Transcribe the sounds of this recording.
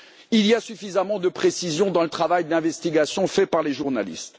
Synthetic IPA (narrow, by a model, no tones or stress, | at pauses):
iliasyfizamɑ̃d̪əpχesizjɔ̃d̪ɑ̃lət̪χavajd̪ɛ̃vɛst̪iɡasjɔ̃fɛpaʁleʒuʁnalḭst̪